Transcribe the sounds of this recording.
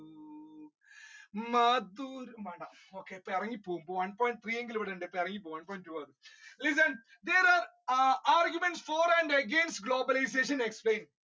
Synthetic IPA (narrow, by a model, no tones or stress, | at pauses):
mɐd̪uːɾmɐːɖɐmoːkeːpɐɾɐŋɡipoːumpoʋɐnpɔːjɪ̃ɳʈ̚t̪ʰɾiːẽŋɡiloʋɐɽɐɳɖepɐɾɐŋɡipoːʋɐnpɔːj̃ɳʈʈuːʋɐd̪ulis̬ɐn | d̪eːɾaːɾ | aːɾɡjumẽɳʈsfɔːɾɛ̃ɳɖeɡẽnsʈɡloːbɐlajs̬eːʃ̬ɐ̃neksplẽːn